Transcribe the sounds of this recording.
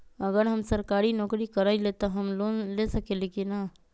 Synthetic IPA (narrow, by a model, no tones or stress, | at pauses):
əɡəɾɦəmsəɾkaːɾinɔːkɾikəɾaːilet̪aɦəmloːnlesəkelekina